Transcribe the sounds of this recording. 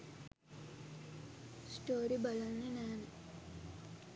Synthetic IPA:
sʈoːɾibɐlɐnːenaːne

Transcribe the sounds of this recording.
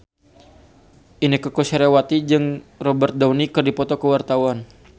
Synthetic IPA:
ʔinikəkoseɾewat̪id͡ʒɨŋrɔbərt̪̚dawnikɨrdipɔt̪ɔkəwart̪awan

